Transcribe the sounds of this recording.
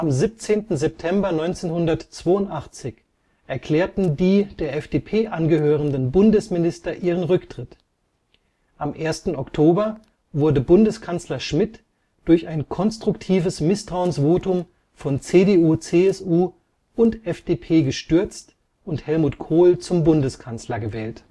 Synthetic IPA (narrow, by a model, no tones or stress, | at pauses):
ʔamzip̚t͡seːntn̩zɛp̚tʰɛmbɐnɔʏnt͡seːnhʊndɐtt͡sv̥oːʊntʔaχt͡sɪç | ʔɛɐkʰl̥ɛːɐtn̩diːd̥eːɐʔɛfd̥eːpʰeːʔanɡəhøːʁ̞əndənbʊndəsmɪnɪstɐʔiːʁənʁʏktʁ̥ɪt | ʔamʔeːɐstn̩ɔktʰoːbɐ | vʊɐdəbʊndəskʰant͡slɐʃmɪt | d̥ʊɐçaɪnkʰɔnstʁ̥ʊktʰiːvəsmɪstʁ̥aʊənsv̥oːtʊm | fɔnt͡seːdeːuːt͡seːɛsuː | ʊntʔɛfd̥eːpʰeːɡəʃtʏɐt͡st | ʊnthɛlmuːtkʰoːlt͡sʊmbʊndəskʰant͡slɐɡəvɛːlt